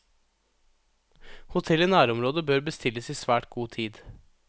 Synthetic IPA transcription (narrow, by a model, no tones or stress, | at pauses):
hʊt̪ʰɛlɪnæːɾɔmɾoːd̪əbøːɾbəst̪ɪləsiːsʋæːʈɡuːt̪ʰiːd̪